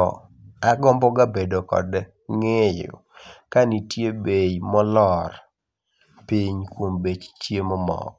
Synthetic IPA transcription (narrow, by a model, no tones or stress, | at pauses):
ɔ̰ | aɡɔmbɔɡabedokɔ̰d | ŋejʊ̰ | kanitjebejmɔlɔr | piɲkwombet͡ʃtjemɔmɔ̰k̚